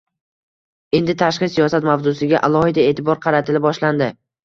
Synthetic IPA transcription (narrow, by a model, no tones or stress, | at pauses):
e̞nd̪ɪt̪ʰaʃqɨsijɒsat̪mawzʊsɪɡʲaʔalˠɒhɪd̪ae̞ːt̪ʰɪbɒɾqʰɑɾat̪ʰɪlɪbɒʃland̪ɪ